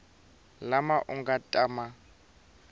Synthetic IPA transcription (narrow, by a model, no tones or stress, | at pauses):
lamaʔuŋɡatʼaːma